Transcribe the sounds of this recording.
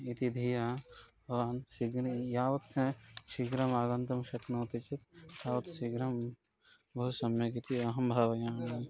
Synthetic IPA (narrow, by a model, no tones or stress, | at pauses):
it̪id̪ʱijaːbɐʋaːnsiɡɾjaːʋɐt̪sẽʃiɡɾɐmaːɡɐ̃nt̪ɐmʃɐknoːt̪it͡ʃit̪t̪aːʋɐt̪siɡɾɐm | bɐɦusɐmjɐkit̪iɐɦɐmbʱaːʋɐjãːnɐ